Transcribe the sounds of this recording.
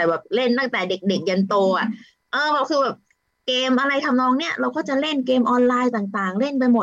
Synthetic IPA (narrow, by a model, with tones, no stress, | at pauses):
bɛː˨˩p̚le˥˩nt̪aː˥˩ŋt̪ɛː˨˩de˨˩k̚de˨˩k̚ja˧nt̪oː˧ʔa˨˩ | ʔɤː˧bɛː˨˩wkʰɯː˧bɛː˨˩p̚ | keː˧mʔa˧ɾa˧jt̪ʰa˧mnɔː˧˥ŋni˥˩ɐɾa˧wkɔː˥˩t͡ɕa˨˩le˥˩nkeː˧mʔɔː˧nlaː˧jt̪aː˨˩ŋt̪aː˨˩ŋle˥˩np̬a˧jmo˨˩